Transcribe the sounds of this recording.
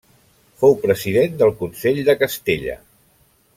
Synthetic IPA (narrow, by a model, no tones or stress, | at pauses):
fowpɾəziðend̪əlˠkunseʎd̪əkəst̪eʎə̰